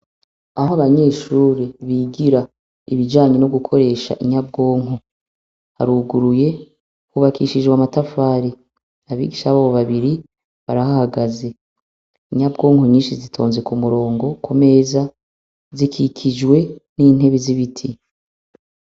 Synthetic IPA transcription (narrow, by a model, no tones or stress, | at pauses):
ahoaβaɲe̞ːʃuːɾiβiɡiɾa | iβid͡ʒaːɲe̞noɡukʰo̞ɾe̞ːʃa̰ʔiɲab̚ɡo̞ːŋɦo | ha̰ɾuːɡuɾuje̞ | kuβakʰiʃid͡ʒɡwamatafaːɾi | aβḭːɡiʃaβaːβo̞βaβiɾi | βaɾahahaɡaze̞ | iɲabɡo̞ːŋhoɲiːnʃizitʰo̞ːnze̞kumuɾo̞ːŋɡo̞kume̞za | zikʰikʰid͡ʒɡwe̞niːn̥ɦe̞βiziβitʰi